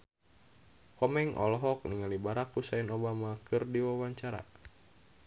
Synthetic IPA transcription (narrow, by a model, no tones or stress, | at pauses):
kɔmɛŋʔɔ̰lɦɔk̚niŋalibaɾakusainobamakɨrdiwawaɲt͡ʃaɾa̰